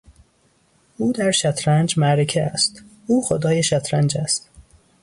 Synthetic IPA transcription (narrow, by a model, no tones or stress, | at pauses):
uːd̪æɾʃæt̪ʰɾænd͡ʒmæɾecʰeæst̪ | uːxod̪ɒːjeʃæt̪ʰɾænd͡ʒæst̪